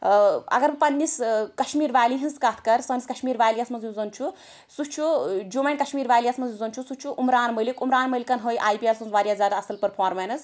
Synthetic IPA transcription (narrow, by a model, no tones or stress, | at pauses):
ɐ̰ɡɐɾmpɐnːiskɐʃmiːɾʋaːjliɦinskat̪ʰkɐɾsɐʋniskɐʃmiːɾʋaːjlijasmɐzjuzɐnt͡ʃʰu | sut͡ʃʰud͡ʒoːmɐnʲkɐʃmiːɾʋaːjlijɐsmɐzjuzɐnt͡ʃʰusut͡ʃʰuʔumɾaːnməlikumɾaːnməlikɐnɦoːjʔaːjpielsunzʋaːɾjaːzʲjaːd̪aɐsɐlpɐɾpʰaːɾmenɐs